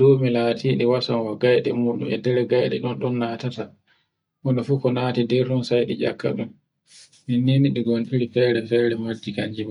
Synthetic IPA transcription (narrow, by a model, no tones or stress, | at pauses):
d̥oːmilaːtʰiːɗiwasanwaɡajɗɛ̰muɗṵmɛ̰dɛɾɛɡajɗɛɗɔnɗɔnːatata | hɔnɔfukɔnaːtidɛɾɗɔnsajɗid͡ʒakʰːa̰ɗum | mininiɗiɡɔnʔiɾifɛːɾɛfɛːɾɛmad͡ʒːikaɲd͡ʒima